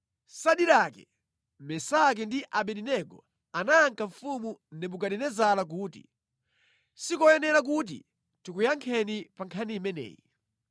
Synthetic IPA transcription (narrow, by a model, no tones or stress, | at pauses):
saɗiɾakɛ̰ | mɛsak̬ɛndiʔaɓɛninɛɡɔ̰ | anaːŋkaɱ̩fumunɛbuɡaɗɛnɛzalak̬uːtḭ | sikɔjɛnɛɾak̬ut̬ḭ | tikujaŋkʰɛnipaŋkʰanimɛnɛ̰ːjḭ